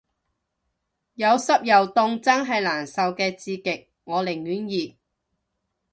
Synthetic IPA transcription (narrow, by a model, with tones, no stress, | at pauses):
jɐ˨˧wsɐ˥p̚jɐ˨wt̪ʊ˧ŋt͡sɐ˥ŋɦɐ˨jlaː˨˩nsɐ˨wkɛː˧t͡siː˧kɪ˨k̚ | ŋɔː˨˧lɪ˨˩ŋjyː˨˥njiː˨